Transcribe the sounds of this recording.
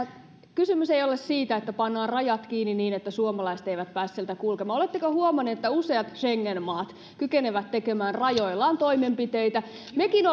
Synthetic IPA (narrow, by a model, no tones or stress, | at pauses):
kysymyseijolessiːt̪æet̪ːæpɑnːɑːnrɑjɑt̪kiːnːiniːnet̪ːæsuomɑlɑise̥t̪ejʋæt̪̚pæːssielt̪ækulkemɑːolet̪ːekohuomɑnːeet̪ːæuseɑt̪ʃeŋːenmɑːt̪ | kykeneʋæt̪tekemæːnrɑjoilːˑɑːnt̪o̞imempit̪eit̪æ | mekino